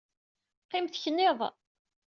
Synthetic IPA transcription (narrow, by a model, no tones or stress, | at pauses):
qːɪmθçənːɪðˤ